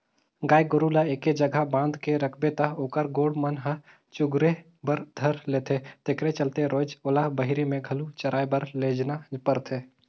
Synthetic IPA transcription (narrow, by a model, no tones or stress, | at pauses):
ɡaːjɡoɾulaeːked͡ʒəɡʱabãːnd̪keɾəkʰbet̪əoːkəɾɡoːɽmənɦə | t͡ʃʊɡɾe | bəɾd̪ʱəɾleːt̪ʰet̪ekɾet͡ʃəlt̪eɾoːd͡ʒolabəɦɪɾimẽɡʱɐlut͡ʃəɾʔaːjbəɾleːd͡ʒnapəɾt̪ʰeː